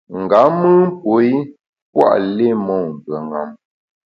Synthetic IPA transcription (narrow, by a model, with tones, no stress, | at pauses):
ŋ̩˨ɡa˨˦mɨ˦m˦po˨˦i˦ | p̚wa̰˦˨ʔle˦mɔ˨m˨bə˨ŋa̰˨m